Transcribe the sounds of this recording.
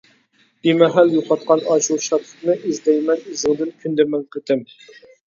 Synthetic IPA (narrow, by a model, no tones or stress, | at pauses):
b̥imɛɦæljoqʰɑt̪̚qɑnɑʃulˠʃɑt̪ʰlˠə̥χnɨʔizd̪ɛjmɛnizɨŋd̪ɪnkʲʰynd̪ɛmɛŋqʰət̪ʰɪm